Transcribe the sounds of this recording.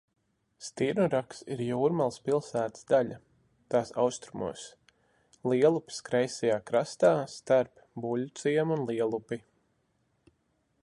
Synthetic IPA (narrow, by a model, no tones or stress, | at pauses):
st̪iɾnuɾaksiɾjuːɾmalˠspilˠsæːt̪sd̪aʎa | t̪aːsa̰wst̪ɾumṵɔs | lˠiɛlˠupi̥skɾɛjsɛjaːkɾast̪aːst̪aɾp | buʎʲut̪siɛmunlˠiɛlˠupi